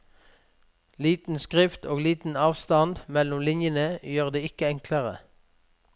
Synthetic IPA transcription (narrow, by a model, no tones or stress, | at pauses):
liːt̪n̩skʁɪft̪o̰ːɡliːt̪n̩ɑːʋst̪ɑnd̪mɛlʊmlɪnjənəjøːʁd̪eːɪkəɛŋkʰləʁə